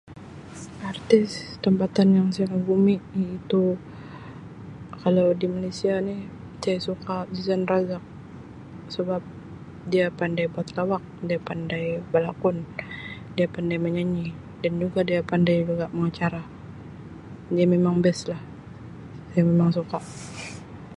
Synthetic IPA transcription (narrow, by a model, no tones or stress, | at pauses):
art̪ɪst̪əmpat̪anjaŋsajaŋaɡumiit̪u | kalawdimalesianɪh | sajasukad͡ʒizanraɡak̚ | səbap̚ | diapandajbuat̪lawak̚diapandajbalakʊndiapandajməɲaɲi | dand͡ʒuɡadiapandajlaɡaʔməŋat͡ʃaɾa | diamemaŋbɛslah | sajamemaŋsukaʔ